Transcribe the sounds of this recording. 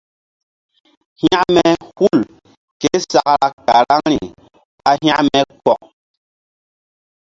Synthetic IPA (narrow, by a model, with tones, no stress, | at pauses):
hj̃a˦ʔmɛ˦hu˦˨l | ke˦sa˨kɾa˨ka˨ɾa˦ŋɾi˨ | a˦ɦj̃a˦ʔmɛ˦kɔ˨ʔ̚